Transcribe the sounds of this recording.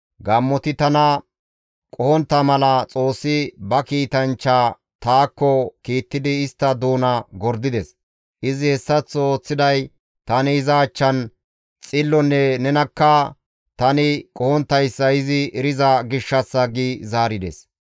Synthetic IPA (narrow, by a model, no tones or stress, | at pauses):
ɡɐmːɔt̪ɪt̪ɐnɐ | kʼɔhɔnt̪ːɐmɐlɐt͡sʼo̞ːsːɪbɐkiːt̪ɐnt͡ʃːaː | t̪aːkːɔkiːt̪ːɪd̪ɪːst̪ːɐd̪uːnɐɡɔɾd̪ɪd̪ɛs | ʔɪzɪhɛsːɐt͡sːo̞ːt͡sːɪd̪ɐj | t̪ɐnɪɪzɐːt͡ʃːɐn | t͡sʼɪlːɔnːɛnɛnɐkːɐ | t̪ɐnɪkʼɔhɔnt̪ːɐjsːɐɪzɪɛɾɪzɐɡɪʃːɐsːɐɡizaːɾɪd̪ɛs